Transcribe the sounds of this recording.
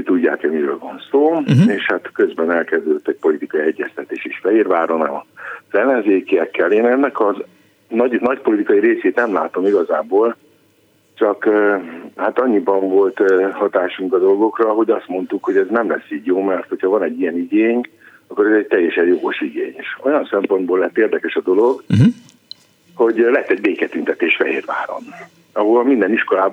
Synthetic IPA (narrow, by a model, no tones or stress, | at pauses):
t̪uɟːa̰ːkɛmiɾø̰ːlvɒnsoːeːʃhat̪kø̞zbɛnɛlkɛzd̪ød̪øt̪ːɛc̚po̞lit̪ikɒjiɛɟːɛst̪ɛt̪eːʃeːʃfɛɦirvaːɾona̰ːmɒz̥ɛlːɛnzeːkijɛkːɛleːnɛnːɛkɒz | nɒɟnɒcpo̞lit̪ikɒiɾeːseːt̪nɛmlaːt̪o̞miɡɒzaːboːl | t͡ʃɒkː | haːt̪ɒɲːibɒɱvo̞lt̪hɒt̪aːʃuŋkɒd̪o̞lɡo̞krɒɦo̞ɟɒst̪mo̞nt̪ukho̞ɟɛznɛmlɛsːiːɟjoːmɛrt̪ho̞chɒvɒnɛɟːijɛniɡeːɲ | ɒkːo̞ɾɛzɛɟ̚t̪ɛjɛʃɛɲjo̞ɡo̞ʃiɡḛːɲeʃo̞jɒnsɛmpo̞nd̪boːlɛt̪ːeːrd̪ɛkɛʃɒd̪o̞lo̞ɡ | ho̞ɟlɛt̪ːɛɟbeːkɛt̪ynt̪ɛt̪eːʃfɛ̰ɦeːrva̰ːɾo̰n | ɒɦolɒmind̪ɛniʃko̞laː